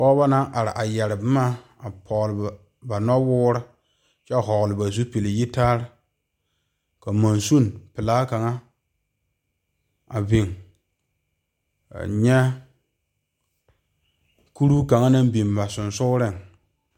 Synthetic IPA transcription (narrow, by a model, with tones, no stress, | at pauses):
pɔː˦ba˦na˦ʔa˨ɾɪ̰˨ʔa˨jɛ˨ɾɪ˨bmaː˦ | a˨pʰɔ˨lɪ˨b | ba˨nɔ˦wʊː˦ɾɪ˦ | t͡ʃɛ˦ɦɔ˨lɨ˨ba˨zu˦pi˨lɪ˨ji˦taː˦ɾɪ˦ | ka˨ma˨nsu˦˨npɪ˨laː˦ka˨ŋa˦ | a̰˨bi˨ŋ | a̰˨ɲɛ˦ | ku˦ɾu˦ka˨ŋa˦na˦m˦bi˨mba˨sʊ˨nsʊ˦ɾɪ˦˨ŋ